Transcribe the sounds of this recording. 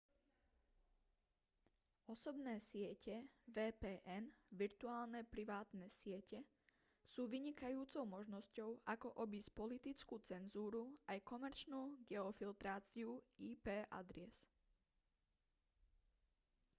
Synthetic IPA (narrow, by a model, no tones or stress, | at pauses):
ɔsɔbnɛːsɪɛcɛʋɛːpɛːʔɛnʋiɾt̪uaːlnɛpɾiʋaːt̪nɛsɪɛcɛ | suːʋiɲikajuːt͡sɔʊmɔʒnɔscɔʊʔakɔʔɔbispɔlit̪it͡skuːt͡sɛnzuːɾuajkɔmɛɾt͡ʃnuːɡɛɔfilt̪ɾaːt͡siuiːpɛːʔa̰d̪ɾɛs